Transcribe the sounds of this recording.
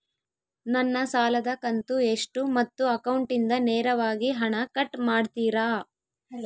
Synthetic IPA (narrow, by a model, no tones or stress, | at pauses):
nɐnːɐsaːlɐd̪ɐkɐnt̪ueʂʈumɐt̪ːuɐkɐwɳʈind̪ɐneːɾɐʋaːɡiɦɐɳɐkɐʈːmaːɖt̪iːɾaː